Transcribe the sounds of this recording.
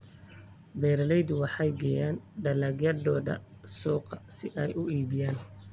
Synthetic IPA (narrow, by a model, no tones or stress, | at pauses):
bɛːɾɐlɛjd̪ʊwɑħɑjɡɛːjaːnɖɐlɐɡjɐd̪ɔːd̪ɐ̰ | sɔːqɑsɪʔɛjʔʊiːbɪjaːn